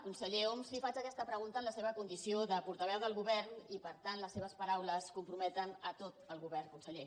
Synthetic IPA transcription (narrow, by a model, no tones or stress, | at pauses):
kunsəʎeomslifat͡ʃəkɛst̪əpɾəɣunt̪ənləseβəkund̪isioðəpuɾt̪əβɛwðəlˠɣuβɛɾnipəɾt̪anləsːeβəspəɾawləskumpɾumɛt̪ənət̪ot̪əlˠɣuβɛrkunsəʎe